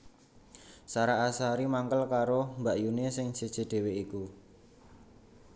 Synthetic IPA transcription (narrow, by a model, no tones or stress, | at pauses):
saɾaːsaɾimaŋkəlkaɾombaʔjunesɪŋʒ̥ed̥ʒ̥e̤d̪̥e̤weiku